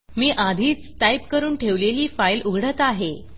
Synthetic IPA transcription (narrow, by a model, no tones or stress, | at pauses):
miːʔad̪ʱiːt͡st̪ajp̚kəɾuːnʈʰeʋleliːfajlʔuɡʱɽət̪aɦe